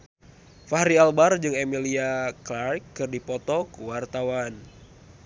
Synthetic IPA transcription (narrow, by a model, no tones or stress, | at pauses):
fahɾialbard͡ʒɨŋemiliaklarkːɨrdipɔt̪ɔkəwart̪awan